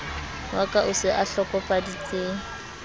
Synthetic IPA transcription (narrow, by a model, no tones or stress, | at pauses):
wakʼaʔʊsɪʔaɬɔkʼɔpʼadit͡sʼeːŋ̩